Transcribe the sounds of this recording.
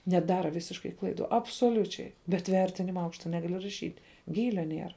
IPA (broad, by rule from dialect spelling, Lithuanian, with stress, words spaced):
nʲɛˈdɑːrɐ ˈʋʲɪsʲɪʃkɐɪ ˈklˠɐɪˌdʊ ɐpsoːˈlʲʊt͡ʃʲɛɪ bʲɛt ˈʋʲɛrʲtʲɪnʲɪmɐ ˈɐʊkʃtɐ ˈnʲæːɡɐlʲɪ rɐˈʃʲiːtʲ ˈɡʲiːlʲɛ ˈnʲiɛrɐ